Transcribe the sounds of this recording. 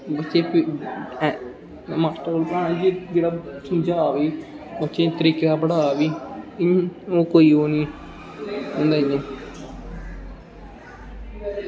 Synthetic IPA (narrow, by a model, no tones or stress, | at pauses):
bətːt͡ʃẽːp | masʈolpɾãːnːd͡ʒid͡ʒeːɽaːsʰĩːd͡ʒaːʋiː | bət͡ʃẽːt̪əɾiːkaːbəɽaːʋiː | oːkoːiːoːniː | ɦõːnd̪aːiɲeː